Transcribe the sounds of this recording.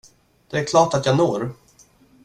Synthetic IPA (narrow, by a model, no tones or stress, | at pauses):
d̪̥ɛæɾkʰlɑːʈat̪jɑːnoːɾ